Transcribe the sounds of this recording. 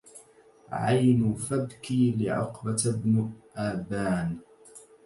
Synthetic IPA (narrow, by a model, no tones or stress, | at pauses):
ʕa̰jnʊfabkiːlɪʕʊ̰qbat̪bnʔaːbaːn